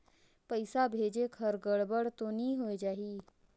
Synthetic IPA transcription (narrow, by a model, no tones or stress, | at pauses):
pəjsabʱed͡ʒekʰəɾɡəɽbəɽt̪oniɦojd͡ʒaɦiː